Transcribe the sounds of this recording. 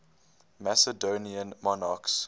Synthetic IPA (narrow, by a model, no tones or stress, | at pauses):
mæsədoːniə̃nmɔnɑks